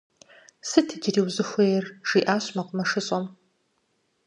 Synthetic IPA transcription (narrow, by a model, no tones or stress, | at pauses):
sɨtʰiɡʲɪriːwzɨxʷejɛrʒ̥iːʔaːɕmɐqʷʊmɐʂɨɕʼɐm